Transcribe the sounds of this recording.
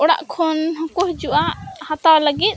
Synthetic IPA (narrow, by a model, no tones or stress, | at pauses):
ɔɽa̰ʔkʰɔnɦɔ̃kuhd͡ʒuʔahat̪awləɡit̪̚